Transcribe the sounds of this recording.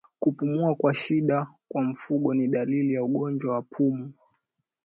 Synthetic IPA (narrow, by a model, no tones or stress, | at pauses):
kupumuakwaʃiɗakwam̩fuɠɔniɗalilijauɠɔnd͡ʒwawapʰumu